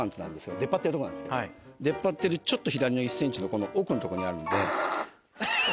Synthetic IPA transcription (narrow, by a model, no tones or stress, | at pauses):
ãnt̪onãnd̪eskeod̪e̞pːat̪ːeɾ̟t̪oonã̰d̪skḛd̪e̞pːat̪ːe̞ɾɯ̟t͡ɕo̞t̪ːo̞çid̪aɾʲinoisːẽ̞ɲ̟t͡ɕino̞ko̞no̞ʔo̞ːkɯ̟not̪oko̞ɲiaɾɯ̟nod̪e̞